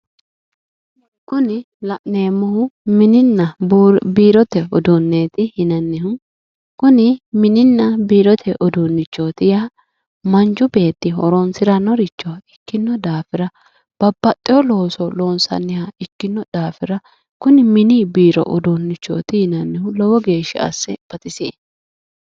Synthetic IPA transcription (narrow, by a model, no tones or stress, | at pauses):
kʊnɪ | lɐʔneːmːʊhʊmɪnɪnːɐbiːɾɔt̪ɛɔd̪unːe̞ːt̪ɪhɪnɐnːɪhʊ | kʊnɪmɪnɪnːɐbiːɾɔt̪ʰɛʔɔd̪unːɪt͡ʃːoːt̪ɪja | mɐnd͡ʒʊbe̞ːt̪ːɪhɔ̰ɾoːnsɪɾɐnɔɾɪt͡ʃːɔɪkːɪnːɔd̪aːfɪɾɐ | b̥ɐbːɐt̪ʼːɪjɔlo̞ːsɔlo̞ːnsɐ̰nːɪhɐɪkːɪnːɔd̪̥aːfɪɾɐ | kʊnɪmɪniːbiːɾɔ̰ʔɔd̪onːɪt͡ʃːo̰ːt̪ɪhɪnɐnːɪhʊlɔwɔɡe̞ːʃɪ̰ɐ̰sːɛb̥ɐt̪ɪsḛː